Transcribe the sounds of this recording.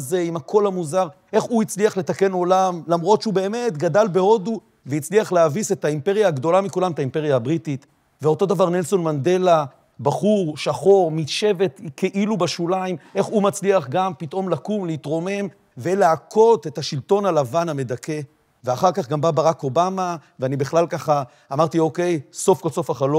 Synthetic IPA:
zeimhakʰo̞lhamuzaʁʔe̞χuit͡sliaχle̞t̪ake̞no̞lamlamʁo̞tʃeube̞ːme̞tɡadalbe̞o̞du | vejit͡sliaχleavise̞taimpe̞ʁjaːɡd̪o̞lamikulamet̪aimpe̞ʁjaabʁitit̪ | veo̞to̞d̪avaʁnelso̞nmande̞la | baχuʁʃaχo̞ʁmitʃe̞ve̞tkeʔilubaʃulaimʔe̞χumat͡sliaχɡampit̪ʔo̞mlakumleitʁo̞me̞m | ve̞leakʰo̞tethaʃilto̞nalavaname̞dake̞ | veaχaʁkaχɡambabaʁako̞bamaveanibeχlalkaχaː | maʁtio̞ke̞jso̞fkoso̞faχalo

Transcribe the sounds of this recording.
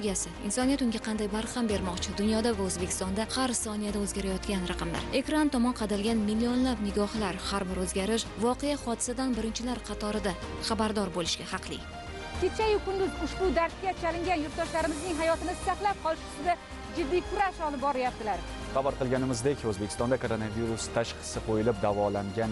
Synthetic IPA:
ɡʲasɪɪnsɒnijat̪ʊŋɡʲaqʰɑnd̪ajbaɾχambe̞ɾmɒqt͡ʃʰɪd̪ʊnjɒd̪avaɵzbekʲʰɪst̪ɒnd̪ahaɾsɒnijad̪aɵzɡʲaɾajɒt̪kʲanɾɑqɨmla̰ɾe̞kɾant̪ʰɒmɒnqʰɑd̪alɡʲanmɪlːio̞nlabnɪɡʲɒhlaɾhaɾbɪɾɵzɡʲaɾɪʃvɒqejaχɒd̪ɪsad̪anbɪɾɪnt͡ʃʰɪlaɾqʰɑt̪ʰɒɾɪd̪aχɑbaɾd̪ɒɾbolɪʃɡʲahɑqʰlˠɪ̰ | kʲʰet͡ʃʰajʊkʰʊnd̪ʊzʊʃbʊd̪aɾskʲat͡ʃʰalɪŋɡʲanjʊɾt̪̚d̪ɒʃlaɾɪmɪznɪŋɦajɒt̪ɪmɪzsaqlˠap̚qʰɒlˠɪʃʊ̥sɪd̪a | d͡ʒɪd̪ːijkʰʊɾaʃɒlɪp̚bɒɾajap̚t̪ɪlaɾ | χɑbaɾqɨlˠɡʲanɪmɪzd̪ekʲʰɵzbekʰʲɪ̥st̪ɒnd̪akʰoɾonaviɾust̪ʰaʃqʰɨ̥sɪqʰojɪlɪp̚d̪avɒlaŋɡʲan

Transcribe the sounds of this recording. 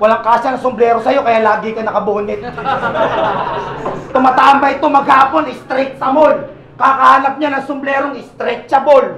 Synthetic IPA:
wɐlaŋkaːsɐnɐŋsʊmblɛːɾosɐjo̞kɐjaːlaːɡɪkɐnɐkɐboːnɪt̪̚ | t̪ʊmɐt̪aːʔɐmbɐɪt̪o̞mɐɡhaːpo̞nɪst̪ɾɪk̚t̪̚sɐmol | kaːkɐhaːnɐp̚ɲanɐŋsʊmblɛːɾoŋɪst̪ɾɛt͡ʃɐbol

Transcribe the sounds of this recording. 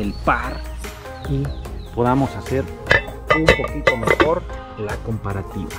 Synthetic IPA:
elpaɾ | ipo̞ðamo̞saseɾ | umpo̞kit̪o̞me̞xo̞ɾ | lako̞mpaɾat̪iβa

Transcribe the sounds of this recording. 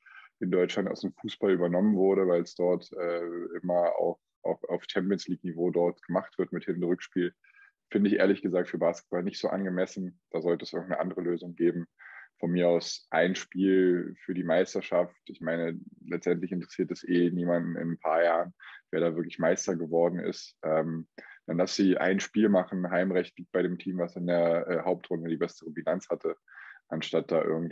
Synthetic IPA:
ʔɪndɔʏt͡ʃlanta̰ʊsd̥eːmfuːsb̥alʔyːbɐnɔmənvʊɐɾəvaɪlsd̥ɔɐtʔɛːʔɪmɐa̰ʊf | a̰ʊfa̰ʊft͡ʃɛmpiənsliːknivoːdɔɐtɡ̥əmaχtv̥ɪɐtmɪthɪnndʁʏkʃpiːl | fɪndəɪçʔḛːɐlɪçɡ̥əzaːk̚tfyːɐbaːskə̥t̚b̥alnɪçtz̥oːʔa̰nɡəmɛsn̩d̥aːzɔltəɛsʔɪɡŋntnə̰ʔandəʁəløːzʊŋɡeːbm̩fɔnmiːɐaʊsʔaɪnʃpiːlfyːɐdiːmaɪstɐʃaftʔɪçmaɪnəlɛt͡stʔɛntlɪçɪntəʁ̥ɛsiːtɛsʔeːniːmandn̩ɪ̰nnpʰaːɐjaːʁənv̥eːɐɾaːvɪɐklɪçmaɪstɐɡəvɔɐdn̩ʔɪ̰stʔɛːmd̥ɛnlasz̥iːʔa̰ɪnʃpiːlmaχn̩ɦaɪmʁɛçt̚l̥iːp̚t̚b̥aɪɾeːmtʰiːmvasɪndeːɐʔɛːɦaʊp̚tʁ̥ʊndədiːbɛstəʁəbilant͡shatʰəʔanʃtat̚d̥aːʔɪɐɡŋ̩t

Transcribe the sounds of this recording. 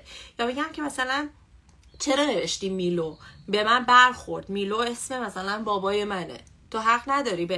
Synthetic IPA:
jɒːbeɟæmcʰe̞mæsælæn | t͡ʃʰe̞ɾene̞veʃt̪iːmmiːlobe̞mænbæɾxo̞ɾd̪miːloe̞sme̞mæsælænbɒːbɒːjemænḛ | t̪ʰoɦæɢnæd̪ɒːɾiːbe

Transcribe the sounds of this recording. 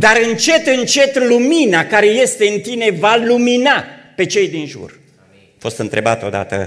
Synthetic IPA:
d̪aɾɨnt͡ʃe̞t̪ɨnt͡ʃe̞t̪luminakaɾe̞je̞st̪e̞ɨnt̪ine̞valuminape̞t͡ʃe̞jd̪inʒṵr | afo̞st̪ɨnt̪ɾe̞bat̪od̪a̰t̪ə̰

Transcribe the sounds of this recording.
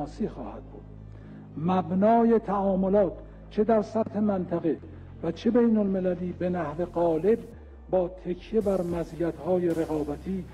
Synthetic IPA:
siːxɒ̰ːhæ̰d̪̥̚buːd̪̥ | mæbnɒːjet̪ʰæɒːmo̞lɒːt̪ʰ | t͡ʃʰe̞d̪æɾsæt̪he̞mænt̪ʰæɣe̞ | væt͡ʃʰe̞bejnolme̞læliːbenæhve̞ɢɒːle̞b̚ | bɒːt̪ʰe̞kʰje̞bæɾmæziːæt̪hɒːjeɾe̞ɣɒːbæt̪ʰiː

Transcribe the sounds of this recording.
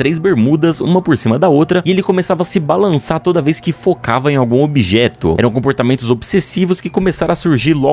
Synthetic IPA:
t̪ɾejzbeɾmud̪ɐsṵ̃mɐpoɾsĩmɐd̪ɐowt̪ɾɐɪelɪkõmesavɐːsɪbalɐ̃saɾt̪od̪ɐveskɪfokavɐẽj̃awɡũobiʒɛt̪ʊ̰ɛ̰ɾɐ̃w̃kõpoɾt̪amẽnt̪ʊzobsesivʊskɪkomesaɾɐ̃asuɾʒiɾlɔ

